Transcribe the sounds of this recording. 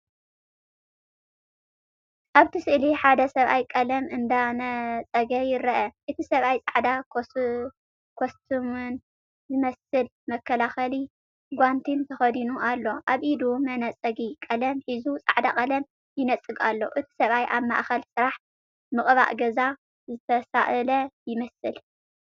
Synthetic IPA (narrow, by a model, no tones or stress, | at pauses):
ʔaβt̪ʰɨsɨʔliħad̪ɐsɐβajkʼɐlɐmɨnd̪anɐt͡sʼɐɡɐjɪɾɐʔɐʔɨt̪ʰisɐβajt͡sʼaʕd̪a | kʰost̪ʰɨmɨn | zɨmɐsɨl | mɐkʰːɐlaxɐli | ɡʷant̪ʰint̪ʰɐxɐd̪inuʔalːo̞ʔaβʔid̪umɐnɐt͡sʼɐɡikʼɐlɐmħizut͡sʼa̰ʕd̪akʼɐlɐm | jɪnɐt͡sʼːɨɡa̰lːo̞̰ʔɨt̪ʰi̥sɐβajʔaβma̰ʔxɐlsɨɾaħ | mɨχʼβa̰ʔɡɐza | zɨt̪ʰɐsaʔlɐjɪmɐsɨl